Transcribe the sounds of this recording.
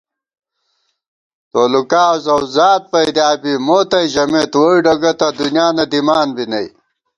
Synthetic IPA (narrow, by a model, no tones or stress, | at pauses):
t̪oːlukaːzɐwzaːt̪̚pɐjd̪aːbimoːt̪ɐjʑɐmet̪woiɖɐɡɐt̪ɐd̪unjaːnɐd̪imaːnbinɐj